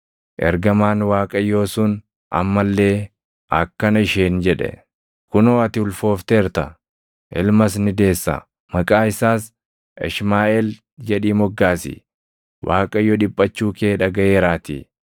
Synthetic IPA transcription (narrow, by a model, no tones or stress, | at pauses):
ʔɛ̰ɾɡɐmaːnwaːkʼɐjːo̞ːsʊːn | ʔɐ̰mːɐlːe̞ː | ʔɐ̰kːɐnɐɪʃeːnd͡ʒɛᶑɛ̰ | kʊnoːɐt̪ɪʊlfo̞ːft̪eːɾt̪ɐ | ʔɪ̰lmɐs̬nɪd̪e̞ːsːɐ̰ | mɐkʼaːɪsaːs | ʔɪ̰ʃmaːʔɛl | d͡ʒɛᶑiːmɔɡːaːsɪ̰ | wʔaːkʼɐjːɔᶑɪpʼːɐt͡ʃːuːkeːᶑɐɡɐʔeːɾaːt̪ḭ